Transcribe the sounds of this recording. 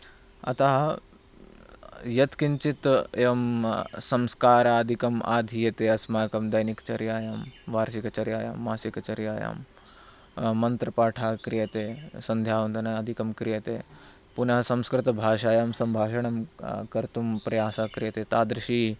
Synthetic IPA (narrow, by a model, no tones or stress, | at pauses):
ɐ̰t̪aːɦ | jɐt̪kint͡ʃit̪eːʋɐmsɐmskaːɾaːɐd̪ʱikɐma̰ːd̪ʱijɐt̪eːɐsmaːkɐmd̪ɐjnikt͡ʃɐɾjaːjamʋaːɾʃikɐt͡ʃɐɾjaːja̰ːmːaːsikɐt͡ʃɐɾjaːja̰ːm | ɐnt̪ɾɐpaːʈʰaːkɾijɐt̪eːsɐnd̪ʱjaːʋɐnd̪ɐnɐɐd̪ʱikɐmkɾijɐt̪ḛː | punɐɦɐsɐmskɾɪt̪ɐbʱaːʃaːjamsɐmbʱaːʃɐɳɐmkɐɾt̪umpɾɐjaːsaːkɾijɐt̪eːt̪aːd̪ɾɐʃiː